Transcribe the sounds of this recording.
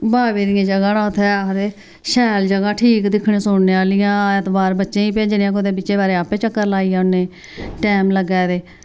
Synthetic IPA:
baːʋeːɾɪjãːd͡ʒəɡãːnãːʊt̪ʰɛːd̪eː | ʃɛːld͡ʒəɡaːʈʰiːkd̪ɪkʰɽẽːsʊɳneːaːlɪjãːet̪baːɾbətːʃẽːĩːpẽːd͡ʒnẽjãːk̬od̪eːbɪt͡ʃːt͡ʃeːbaːɾeːaːpẽːt͡ʃəkːəɾlaːiːjɛːʊnːẽː | ʈɛːmləɡɛːd̪eː

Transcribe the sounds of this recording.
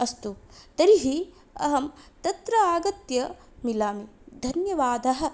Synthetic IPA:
ɐst̪ut̪ɐɾiɦi | ɐ̰ɦɐmt̪ɐt̪ɾɐaːɡɐt̪jɐ | milaːmid̪ʱɐnjɐʋaːd̪ʱɐɦɐ̆

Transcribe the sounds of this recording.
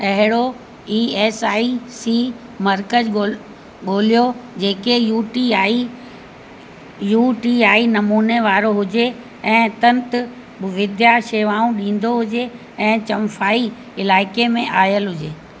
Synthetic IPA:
ɐɦɪɽo | iːɛːsaːisiː | mɐɾkə | ɠoːlijod͡ʑeːkejuːʈiaːi | juːʈiːaːinɐmuːneʋaːɾoɦʊd͡ʑe | ɛ̃ːt̪ɐ̃nt̪ʊ | ʋɪd̪jaʃeːʋaːũɗĩːn̆d̪oɦʊd͡ʑe | ɛ̃ːt͡ɕɐmfʰaːi | ɪlaːɪkemẽʔaːjəlɦʊd͡ʑeː

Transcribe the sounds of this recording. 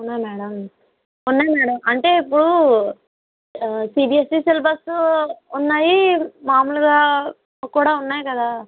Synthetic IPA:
unːaːjmɛːɽɐm | unːaːjmɛːɽɐmɐɳʈe̞ːipːuɽu | siːbiːesiːselbɐsunːaːjimaːmulɐɡaː | kuːɽaːunːaːjikɐd̪aː

